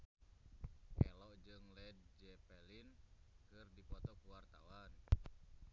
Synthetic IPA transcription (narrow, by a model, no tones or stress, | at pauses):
ʔɛ̰lɔd͡ʒɨŋlɛdd͡ʒɛpɛlinkɨrdipɔt̪ɔkuwart̪a̰wan